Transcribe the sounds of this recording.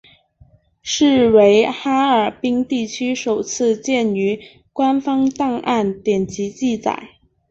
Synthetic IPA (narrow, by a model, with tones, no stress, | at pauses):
ʂɻ̩˥˩we˧˥ɪxa˥ə˞˨˩pi˥ŋt̪i˥˩t͡ɕʰy˥ʂo˨˩ʊt͡sʰɹ̩˥˧t͡ɕjɛ˥˩ny˧˥ | kwa˥nfɑ˥ŋt̪ɑ˥˧ŋʔa˥˩nt̪jɛ˨˩nt͡ɕi˧˥t͡ɕi˥˩t͡sa̰˨˩˦ɪ